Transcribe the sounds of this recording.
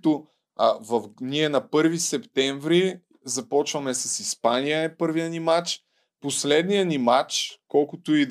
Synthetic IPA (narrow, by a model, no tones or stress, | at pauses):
t̪o | vɐfniɛnɐpɤɾvisɛpt̪ɛɱvɾi | zɐpɔt͡ʃvɐmɛsɐsispanijəɛpɤɾvijənimat͡ʃ | poslɛd̪nijənimat͡ʃkɔlˠkʊt̪ʊid̪